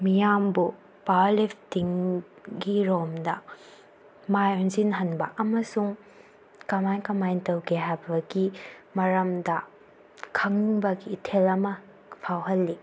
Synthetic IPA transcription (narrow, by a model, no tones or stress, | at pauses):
mijambu | palipʰtiŋ | ɡiɾomdɐ | majonzinɦɐnbɐ̰ʔɐmɐsuŋ | kɐmajnkɐmajntɐwɡeɦajbɐɡimɐɾɐmdɐ | kʰɐŋbɐɡiːtʰelɐmɐ | pʰawɦɐlːi